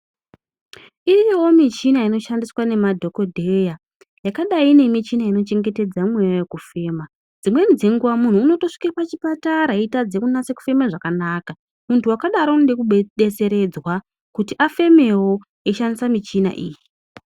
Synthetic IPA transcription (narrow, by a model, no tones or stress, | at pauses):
ijewo̞mit͡ʃinaino̞ʃandiswane̞madʱo̞ko̞dʱeja | jakaɗaine̞mit͡ʃinaino̞t͡ʃe̞ŋɡe̞te̞d͡zamwe̞jojekufe̞ːma | d͡zimwe̞nid͡ze̞ŋɡuʋamun̤uːno̞to̞ʂi̥kepat͡ʃipataɾaitad͡zekunase̞ku̥fe̞meʐakanaːka | muntʰuwakaɗaɾondekuɓɓe̞t͡se̞ɾe̞d͡zwa | kutiʔafe̞me̞wo̞ | e̞ʃandisamit͡ʃina̰ʔiːji